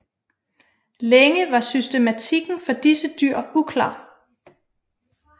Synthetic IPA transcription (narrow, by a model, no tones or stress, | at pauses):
leŋəʋɑ̈sysd̥e̝mæt͡sʰiɡ̥n̩fɒ̽d̥isəd̥yɐ̰ukʰlɑ̰̈ː